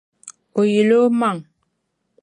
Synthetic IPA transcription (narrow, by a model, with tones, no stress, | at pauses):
o˨je˨lo˦ma˦˨ŋ